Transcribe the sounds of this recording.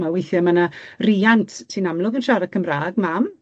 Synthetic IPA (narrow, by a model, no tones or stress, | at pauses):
mawejθjɔmanariːantʰtʰinamlˠʊɡənʃaɾakʰəmraːɡmam